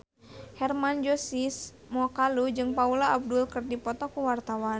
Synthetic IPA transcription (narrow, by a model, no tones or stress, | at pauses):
hɛrmand͡ʒosis | mɔkalud͡ʒɨŋpaulaːb̚dulkɨrdipɔt̪ɔkuwart̪awa